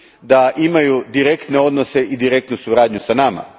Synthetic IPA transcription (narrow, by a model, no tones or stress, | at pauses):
d̪aʔimajud̪iɾe̞kt̪ne̞o̞d̪nose̞ʔid̪iɾe̞k̚t̪nusuɾaːd̪ɲusanama̰